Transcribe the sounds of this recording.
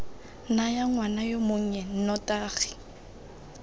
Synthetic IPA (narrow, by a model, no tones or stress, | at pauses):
najaŋwanajomoŋ̩ɲɛn̩nɔtʼaːɣi̥